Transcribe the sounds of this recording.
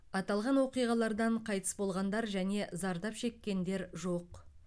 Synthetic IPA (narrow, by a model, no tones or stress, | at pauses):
ɑt̪ɑlˠʁɑnwoqijʁɑlˠɑɾd̪ɑɴqʰɑjt̪ə̥sbo̞lˠʁɑnd̪ɑɾʒæne̞zɑɾd̪ɑpʃe̞kʲːe̞nd̪e̞ɾʒo̞q